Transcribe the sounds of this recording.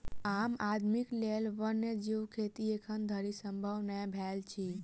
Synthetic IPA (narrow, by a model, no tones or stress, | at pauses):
amad̪ʱmiklelʋənːed͡ʒiwkʰet̪iekʰənd̪ʱəɾisəmbʱəʋnɛjbʱɛlt͡ʃʰi